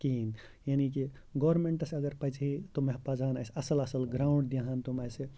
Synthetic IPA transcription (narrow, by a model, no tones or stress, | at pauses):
kin | janiki | ɡɔːɾmeɳʈəsɐɡəɾpəd͡ʒʰɦit̪omeɦpad͡ʒanajsɐsəlɐsəlɡɾawʊ̃ɳɖ̚d̪iɦant̪umajse